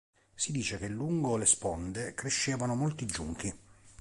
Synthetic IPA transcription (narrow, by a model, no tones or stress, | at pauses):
sid̪iːt͡ʃekelːuŋɡolespɔnd̪ekɾeʃːeːvanomolt̪id͡ʒuŋk̟i